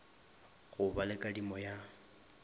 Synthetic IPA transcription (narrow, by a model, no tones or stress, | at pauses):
ɣʊbalɛkʼadimɔja